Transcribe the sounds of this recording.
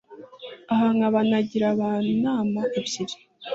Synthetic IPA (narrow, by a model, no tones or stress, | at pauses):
aɦaŋaβanaɟiɾaβanaːmaabɟiɾi̥